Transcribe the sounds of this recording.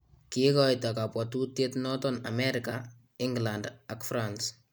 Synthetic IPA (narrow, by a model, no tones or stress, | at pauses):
kikɔjtakapwɔtutjetnɔtɔna̰meɾika | ɪŋɡlandakfɾans